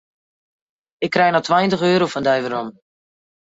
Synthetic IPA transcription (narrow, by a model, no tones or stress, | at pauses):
ɪkːrɛjnatʋajəntəχøːɾowfɔndœjvəɾɔm